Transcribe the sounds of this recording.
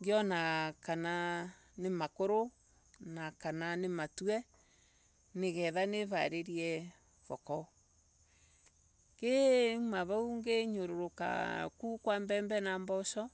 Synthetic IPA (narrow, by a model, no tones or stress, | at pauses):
ŋɡjɔnakana | nemakoɾo | nakananematwɛ | neɣɛðaneβa̰ɾeɾiɛ | βɔkɔ | kemaβauŋɡeɲoɾoɾoka̰kukwambɛmbɛnambɔsɔ